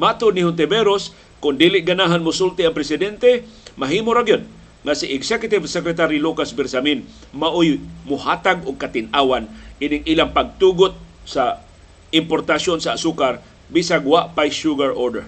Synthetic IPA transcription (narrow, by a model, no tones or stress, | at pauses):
mat̪ʊnihʊnt̪̬ɛbɛɾos | kʊnd̪ilɪʔɡanaɦanmʊsult̪ɪaŋpɾɛsɪd̪ɛnt̪ɛmaɦiːmʊɾaɡjon | ŋasɪʔɪksɛkʊt̪ɪvsɛkɾɛt̪aɾilukasbɛɾsamin | maʔʊjmʊhaːt̪aɡʊɡ̚kat̪ɪnʔaːwanʔinɪŋʔiːlaŋpaɡ̚t̪uɡʊt̪̚ | sa | ɪmpoɾt̪asjonsaːsukaɾ | bisaɡwaʔpajʃuɡaɹʔodɛ̰ɹ